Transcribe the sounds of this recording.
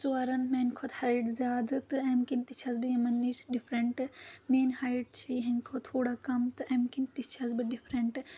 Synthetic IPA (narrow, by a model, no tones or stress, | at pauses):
t͡suɐɾɐnmeːnkʰot̪hɐiʈzjaːd̪ɨt̪ɨɐmkint̪it͡ʃʰɐzbɨjɐmɐnːit͡ʃɖipʰɾɐɳʈɨmeːnhɐːjɖ̚t͡ʃʰiɦɐnkʰot̪ʰoːɽakɐmt̪ɨʔɐmkint̪it͡ʃʰɐzbɨɖipʰɾɐɳʈ